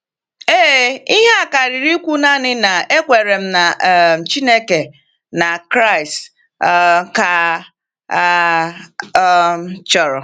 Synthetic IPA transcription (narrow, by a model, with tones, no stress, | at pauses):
eː˦i˦ɦa˦˨ka˨ɾi˨ɾi˦kʷu˦na˦nɪ˦na˨ʔe˦kʷe˨ɾe˨m̩˦na˨m̩˨t͡ʃi˦ne˦ke˨ | na˨kɾa˦˨i˨s | ka˦ | t͡ʃɔ˨ɾɔ˨